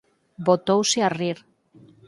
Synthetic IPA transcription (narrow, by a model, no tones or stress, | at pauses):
bot̪owseariɾ